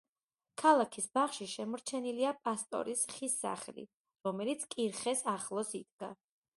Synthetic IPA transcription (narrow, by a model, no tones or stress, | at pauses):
kʰalˠakʰisbaχʃiʃɛmɔɾt͡ʃʰɛniliapʼast̪ʼɔ̰ɾisχisːa̰χɛlḭ | ɾɔmɛlit̪sʰkʼiɾχɛsaχlˠɔsid̪̥ɡa